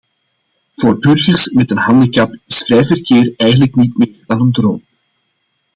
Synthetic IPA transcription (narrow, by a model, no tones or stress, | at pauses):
v̥oːrbʏrɣərsmɛtənɦɑndəkɑpɪsfrɛjvərkeːrɛjɣənləknitmeːrdɑnəndro̰ːm